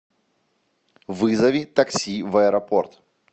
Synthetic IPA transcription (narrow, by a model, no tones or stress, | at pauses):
vɨzɐvʲit̪ɐksʲivɐɛɾɐport̪